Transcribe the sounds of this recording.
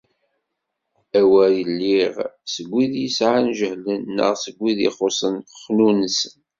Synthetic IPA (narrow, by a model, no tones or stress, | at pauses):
æwæjəlːiʁsəɡʷːiðjəsʕanʒəhlənːə̰ʁsəɡʷːiðḭχosˤənχnunsən